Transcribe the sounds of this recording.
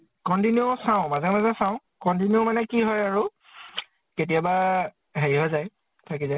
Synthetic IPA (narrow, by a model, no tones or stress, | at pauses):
kɔntinjosaʊ̃mazɛmazɛsãʊ̃ | kɔnt̬injomanɛkiɦɔjaɹu | ketiaba | ɦeɹiɦɔzaj | tʰakizaj